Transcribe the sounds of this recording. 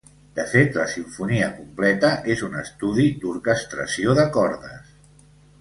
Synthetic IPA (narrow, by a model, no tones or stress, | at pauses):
d̪̥əfet̪ləsiɱfuniəkumplɛt̪əʔezunəst̪uðid̪uɾkəst̪ɾə̰sioðəkɔɾðə̰s